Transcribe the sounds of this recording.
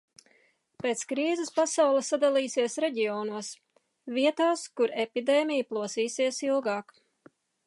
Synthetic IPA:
peːt̪skɾiːzɪspasawlˠesːad̪alˠiːsiɛsɾɛɟiɔːnuɔs | viɛt̪aːskuɾepid̪eːmʲijplˠuɔsiːsiɛsilˠɡaːk

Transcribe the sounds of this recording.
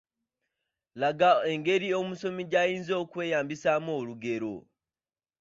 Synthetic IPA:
laɡaeŋɡe̞ɾio̞muso̞miɟajiːnzo̞ːkwe̞ːjaːmbisamo̞ːluɡe̞ɾo̞̰

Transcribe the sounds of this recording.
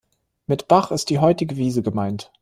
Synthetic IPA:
mɪtb̥aχɪst̚d̥iːɦɔʏtɪɡəviːzəɡəmaɪnt

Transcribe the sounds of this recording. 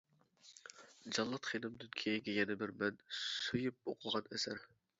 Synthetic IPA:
d͡ʒɑlˠːɑt̪χed̪ɨmd̪ynkʲʰejɡʲɛjɛnɪbɪɾmɛnsyjyp̚oqʰʊʁɑnɛsæɾ

